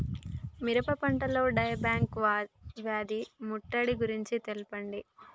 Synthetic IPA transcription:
miɾɐpɐpɐɳʈɐloːɖɐjɐbaːŋkʋaʋjaːd̪imuʈːɐɽiɡuɾiɲt͡ʃit̪elupɐɳɖi

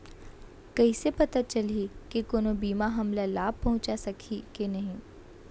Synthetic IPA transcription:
kɐisepɐt̪at͡ʃɐlikekoːnobiːmaɦɐmlalaːb̚ʱpɐɦʊ̃t͡ʃasɐkʰikenɐɦĩː

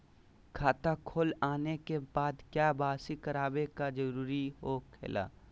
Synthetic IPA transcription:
kʰaːt̪akʰoːlaːnekebaːd̪kjaːbaːsikɐɾaːbekad͡ʒəɐɾuːɾiɦokʰḛːla̰ː

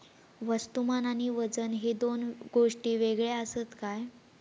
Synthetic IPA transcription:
ʋəst̪umanaɽ̃iʋəd͡zənɦed̪onɡoʂʈiːʋeɡɭeəsət̪kaj

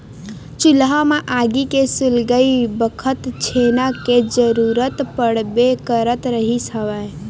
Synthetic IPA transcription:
t͡ʃʊlɦãmeʔaɡikesʊlɡəibəkʰət̪t͡ʃʰenaked͡ʒəɾuɾət̪pəɽbekəɾət̪ɾəɦisəʋɛ

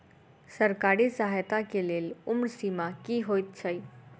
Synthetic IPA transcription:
səɾkaɾisəɦajt̪akelelumɾsimakiɦojt̪̚t͡ʃʰəj

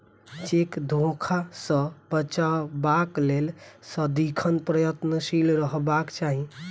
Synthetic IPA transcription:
t͡ʃekd̪ʱokʰasə̃bət͡ʃabaklelsəd̪ikʰənpɾəjət̪nəsilɾəɦbakt͡ʃaɦi

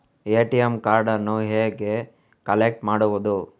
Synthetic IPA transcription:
eːʈijemkaːɾɖɐnːoɦeːɡe | kɐlek̚ʈmaːɽuʋud̪u

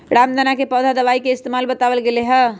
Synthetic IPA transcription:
ɾamd̪ənakepəd̪ʱad̪əʋaikeɪst̪emalbət̪aʋəlɡeleɦə

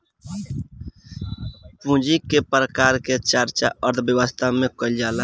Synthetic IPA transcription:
pũːd͡ʒikepɾəkaːɾket͡ʃəɾt͡ʃa̰əɾt̪ʰbjəwəst̪ʰamẽkəld͡ʒaːla

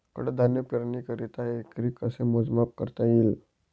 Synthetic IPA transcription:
kə̰ɽəd̪ʱanjəpəɾnikəɾit̪aekɾikəsemod͡zmap̚kə̰ɾt̪ajil

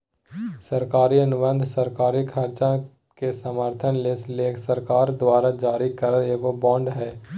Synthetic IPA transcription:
səɾkaːɾiɐnʊbə̃nd̪ʱsəɾkaːɾikʰɐɾt͡ʃã | kesəməɾt̪ʰənlesleːkʰsəɾkaːɾd̪waːɾad͡ʒaːɾikəɾəekobɔ̃ːɳɖɦɛː

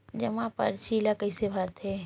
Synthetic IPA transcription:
d͡ʒɐmãpə̰ɾt͡ʃilakəisebʱaɾt̪e

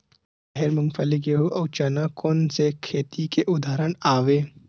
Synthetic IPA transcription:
ɐɦeɾmʊŋfəlɪk̬jeɦuʔɐwt͡ʃanakoːnsekʰeːt̪ikeʔʊd̪ʱaːɾəɳaːʋeː

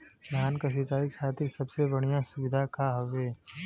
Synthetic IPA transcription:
jaːnkas̬ɪt͡ʃaːikʰaːt̪ɪɾsɐbsebɐɽ̃ijãsʊbɪd̪ʱakaɦoʋeː

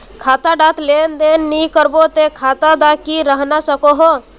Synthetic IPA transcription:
kʰaːt̪aɖat̪leːnd̪eːnːikəɾbot̪ekʰaːt̪ad̪akiɾəɦnasəkoɦo

